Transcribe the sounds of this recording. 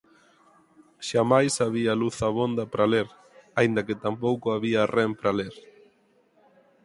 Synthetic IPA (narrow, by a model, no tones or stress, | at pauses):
ʃamajsaβ̞ialuθaβond̪ɐpɾaleɾ | aind̪ɐkɪt̪amp̬owkʊaβiarɛmpɾaleɾ